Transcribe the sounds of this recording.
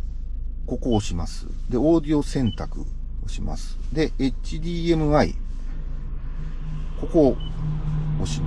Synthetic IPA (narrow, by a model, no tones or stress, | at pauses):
ko̞ko̞ːɕimasɨ̥̰d̪e̞o̞ːd̪io̞sẽ̞nt̪akɯ̟̰ | o̞ɕima̰sɨ̥d̪e̞ʔet͡ɕid̪ʲiːe̞mɯ̟aḭ | ko̞ko̞ | ɕi